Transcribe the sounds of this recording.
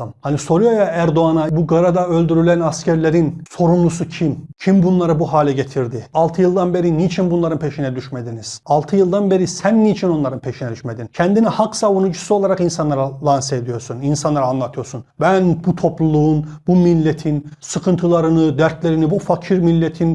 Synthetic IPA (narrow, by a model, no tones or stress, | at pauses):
mhaniso̞ɾujojaæɾd̪o̞anabuɡaɾad̪aø̞lʲd̪yɾylʲænascʰæɾlʲeɾinso̞ɾumˠusucʰimcʰimbunlˠaɾɯbuɦaːlʲɛɟet̪ʰiɾd̪ialˠt̪ʰɯjɯlˠd̪anbe̞ɾinit͡ʃʰinbunlˠaɾɯnpʰe̞ʃinɛd̪yʃmed̪iniz̥alˠt̪ʰɯjɯlˠd̪anbe̞ɾisænːiːt͡ʃʰino̞nlˠaɾɯnpʰe̞ʃinɛd̪yʃmed̪incʰɛnd̪inihaksavunud͡ʒusuo̞lˠaɾaqinsanlˠaɾalˠansed̪ijo̞ɾsuninsanlˠaɾaːnlˠat̪ʰɯjo̞ɾsunbænbut̪ʰo̞plˠulˠuunbumilʲːet̪ʰinsɯkʰɯnt̪ʰɯlˠaɾɯnɯd̪æɾt̪ʰlʲeɾinibufacʰiɾmilʲːet̪ʰin